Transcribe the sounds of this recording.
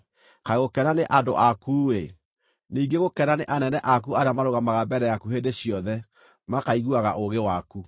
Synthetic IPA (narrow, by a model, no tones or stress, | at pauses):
kaɣokɛnaneʔado̰ʔakuwe | niːŋɡeɣokɛnaneʔanɛnɛʔakuaɾejamaɾoɣamaɣabɛɾɛjakuɦendeɕijɔðɛ | makaiɣuaɣaʔoɣewaku